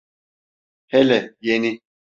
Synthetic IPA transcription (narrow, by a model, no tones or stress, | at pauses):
hɛlɛjeni